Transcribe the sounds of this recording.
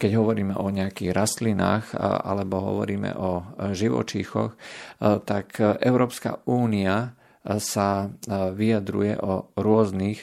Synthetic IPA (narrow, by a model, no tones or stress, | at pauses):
kɛɟɦɔʋɔɾiːmɛʔɔɲɛakiːɣɾʔast̪lina̰ːxa̰lɛbɔɦɔ̰ʋɔɾiːmɛ̰ʔɔʒiʋɔ̰t͡ʃiːxɔ̰xt̪akʔɛ̰ʊɾɔːpska̰uːnia | saʋiad̪ɾṵjɛ̰ʔɔɾʊɔznix